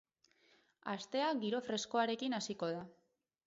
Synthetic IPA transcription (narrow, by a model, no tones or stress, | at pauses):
ast̪e̞aɡiɾo̞fɾe̞sko̞aɾe̞kinasiko̞ð̞a